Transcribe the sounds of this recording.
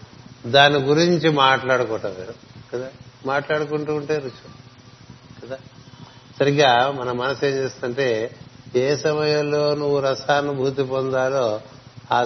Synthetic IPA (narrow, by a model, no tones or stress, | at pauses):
d̪aːniɡuɾiɲt͡ʃimaːʈlaːɽukɔːʈɐʋeɾuɡɐd̪aːmaːʈlaːɽukuɳʈuːɳʈe̞ːɾut͡ʃu | ɡɐd̪aː | sɐɾiɡaːmɐnɐmːɐnɐseːmt͡ʃeːst̪ːɐɳʈe̞ːeːsɐmɐjɐlːo̞ːnuʋuɾɐsaːnubʱuːt̪̬ipɔnd̪aːloː | aː